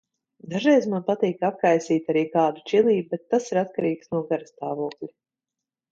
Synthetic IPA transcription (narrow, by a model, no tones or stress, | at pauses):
d̪aʒɛjzmanpat̪iːkap̚kajsiːt̪ʲaɾiːkaːd̪ut͡ʃilˠiːbubet̪ːasiɾat̪kaɾiːksnuɔɡaɾast̪aːvuɔklʲi